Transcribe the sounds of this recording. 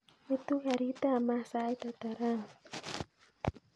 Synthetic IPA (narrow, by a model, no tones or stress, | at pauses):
it̪ukaɾit̪amasait̪at̪aɾaŋ